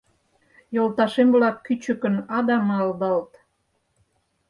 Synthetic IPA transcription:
jolt̪ɑʃemblɑkːyt͡ɕəkə̆nɑd̪ɑmɑld̪ɑlt̪

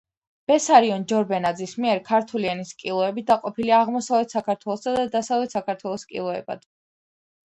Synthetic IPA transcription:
b̥ɛsaɾiɔnd͡ʒɔɾbɛnad̪zismiɛɾkʰaɾt̪ʰuliɛniskʼilˠɔɛbid̪aqʼɔpʰiliaʁmɔsavlɛt̪ʰsakʰaɾt̪ʰwɛlˠɔsad̪ad̪asavlɛt̪sakaɾt̪ʰwɛlˠɔskʼḭlˠɔɛ̰ba̰d̪̥

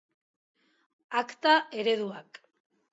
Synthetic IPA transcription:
akt̪aʔe̞ɾe̞ðuak

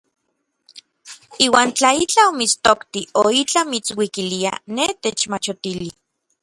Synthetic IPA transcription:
iːwaːnt͡ɬait͡ɬaomit͡st̪okt̪ioit͡ɬamit͡swikilia̰net̪et͡ʃmat͡ʃot̪ili

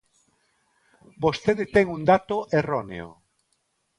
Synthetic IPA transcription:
bost̪eðɪt̪ɛŋund̪at̪oʔeronḛo̰

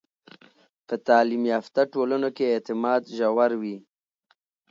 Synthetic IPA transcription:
pət̪ɑlimjɑft̪aʈolanokeːt̪ɪmɑd̪ʒawaɾwi

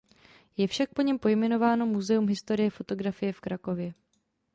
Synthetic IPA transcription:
jɛfʃak̚po̞ɲɛmpo̞jmɛno̞vaːno̞muzɛumɦɪst̪o̞ɾɪjɛfo̞t̪o̞ɡɾafɪjɛfkɾako̞vjɛ

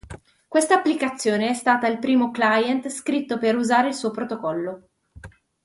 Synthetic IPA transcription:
kwest̪aːpːlikat̪sːjoːneɛst̪aːt̪ailpɾiːmoklajɛnt̪skɾit̪ːopeɾuzaːɾeilsuːopɾot̪okɔlːo

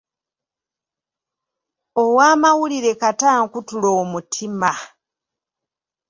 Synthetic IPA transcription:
owaːmawuliɾe̞kataːŋkutuloːmutʰima

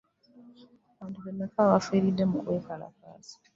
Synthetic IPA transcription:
aβaːntuβenːakaβafiːɾidːe̞mukwe̞ːkala̰ka̰ːsi̥

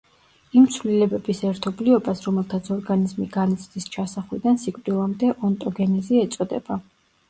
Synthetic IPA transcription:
imt̪sʰvlilɛbɛbisɛɾt̪ʰɔbliɔbasɾɔmɛlˠt̪ʰat̪sʰɔɾɡanizmiɡanit̪sʰd̪ist͡ʃʰasaχlid̪ansikʼvd̪ilˠamd̪ɛʔɔnt̪ʼɔɡɛnɛziɛt̪sʼɔd̪ɛ̰ba

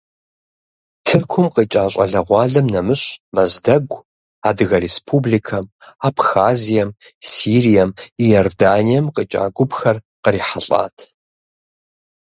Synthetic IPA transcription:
tʰɨrkʷʰʊmqit͡ʃʼaːɕʷʼɐ̰ɮɐʁʷɑːɮɐmnɐmɨɕʼmɐzdɐɡʷ | aːdɨɣɐɾespʰublikʰɐm | apxaːzijɐmsiːrijɐmijordaːnijɛmqət͡ʃʼa̰ːɡʷʊbxɐr | qəriːħaɬʼa̰ːtʰ

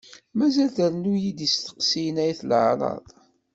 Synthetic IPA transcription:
mæzælθəɾnujid̪ist̪ə̥qsijnæjθlʕɾˤɑ̰ðˤ

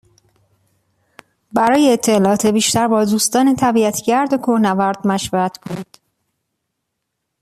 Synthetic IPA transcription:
bæɾɒːjeːt̪ʰːelɒɒːt̪ʰebiːʃt̪æɾbɒːd̪uːst̪ɒːnet̪ʰæbiæt̪ʰɟæɾd̪okʰonævæɾd̪̥mæʃvæɾæt̪ʰkʰonid̪̥

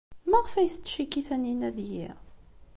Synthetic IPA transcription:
mæʁfæjst͡s̪ːʃikːiθæninæðji

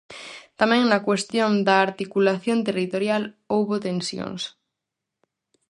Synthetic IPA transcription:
t̪amɛ̃ŋnɐkwest̪jõnd̪ɐːɾt̪ikulaθjont̪erit̪oɾjal | owβot̪ensjo̰ŋs

